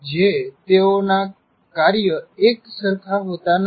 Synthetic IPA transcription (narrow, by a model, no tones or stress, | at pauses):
d͡ʒet̪eona | kaɾjəeksəɾkʰaɦot̪an